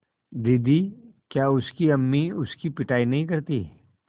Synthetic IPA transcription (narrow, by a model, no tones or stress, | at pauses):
d̪ɪd̪ʱikjaːʊskiɐmːiʊskipɪʈaːinɐɦĩkɐɾt̪ḭ